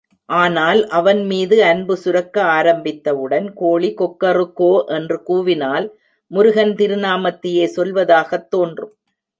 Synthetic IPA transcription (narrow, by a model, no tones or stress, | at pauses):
ʔaːnaːlʔɐʋɐnmiːðɯɐnbɯsʊɾɐkːɐaːɾɐmbɪt̪ːɐʋɯɽɐnkoːɭikɔkːɐrɯkːoːʔɛndrɯkuːʋɪnaːl | mʊɾʊɣɐnt̪ɪɾɯnaːmɐt̪ːɪjeːsɔlʋɐðaːɣɐt̪ːoːndrɯm